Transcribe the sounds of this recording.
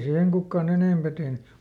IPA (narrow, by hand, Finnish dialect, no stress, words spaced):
siːheŋ kukːɑn eneˑmpæ tehny